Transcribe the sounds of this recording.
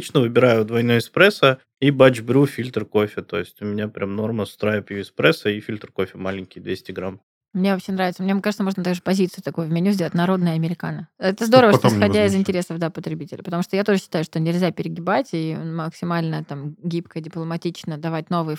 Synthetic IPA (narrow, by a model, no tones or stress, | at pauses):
it͡ɕnəvɨbʲɪɾajʊd̪vɐjnuɪspɾɛsə | ibad͡ʑbɾʲufʲilʲt̪r̩ko̞fʲɪt̪o̞ɪsʲtʲʊmʲɪnʲapɾʲʔamno̞rməst̪ɾajpjuɪspɾɛsəifʲilʲt̪rko̞fʲɪmalʲɪnʲkʲɪjd̪vʲesʲtʲɪɡɾam | mnʲevɐpɕenɾavʲɪt̪səmnʲekaʐɨt̪səmo̞ʐnət̪aɡʐɨpɐzʲit̪sɨjʊt̪ɐkujʊvmʲɪnʲuzʲdʲeətʲnɐɾo̞d̪nəjəɐmʲɪɾʲɪkanəɛt̪əzd̪o̞ɾəvəʂt̪oɪsxɐdʲaɪzɪnʲtʲɪɾʲe̞səvd̪apət̪ɾʲɪbʲitʲɪlʲəpət̪ɐmuʂt̪ojat̪o̞ʐɨɕːɪt̪ajʊʂt̪o̞nʲɪlʲzʲapʲɪɾʲɪɡʲɪbatʲionməksʲɪmalʲnət̪amɡʲipkədʲɪplˠəmɐtʲit͡ɕnəd̪ɐvat̚ʲno̞vɨjə